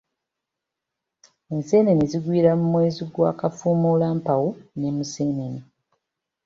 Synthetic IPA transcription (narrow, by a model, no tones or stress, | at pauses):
eːnseːneniziɡwiːɾamumweːziɡwa̰ːkafuːmulaːmpawunemuseːneni